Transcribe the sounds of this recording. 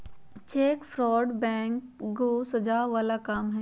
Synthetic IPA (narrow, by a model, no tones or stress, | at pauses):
t͡ɕeːkfɾɔːɖbɛ̃ːŋkɡoːsɐd͡ʑaːʋaːlakaːmɦɛ